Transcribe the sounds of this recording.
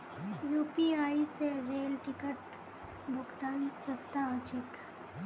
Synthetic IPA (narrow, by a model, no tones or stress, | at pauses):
juːpiaːiseɾeːlʈɪkəʈ | bʱʊɡt̪aːnsɐst̪aət͡ʃɪk